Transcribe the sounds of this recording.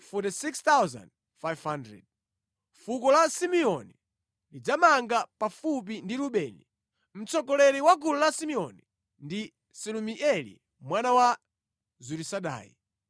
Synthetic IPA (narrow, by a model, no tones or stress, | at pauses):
fɔtisikst̪awza̰nd̚ | fajvhandɾɛ̰d̚ | fukɔlasimiɔni | lid͡zamaŋɡapafup̬indiluɓɛːni | m̩t͡sɔkɔlɛɾiwakʰululasimiɔni | ndi | silumiʔɛlḭ | mwanawa | zuɾisaɗa̰ːjḭ